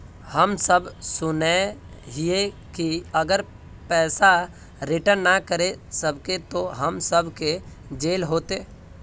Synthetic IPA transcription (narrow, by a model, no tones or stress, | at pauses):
həmsəbsʊne | ɦie | kiəɡəɾ | pɛːsa | ɾɪʈəɾnnakəɾesəbʱket̪oɦəmsəbʱke | d͡ʒeːlɦoːt̪eː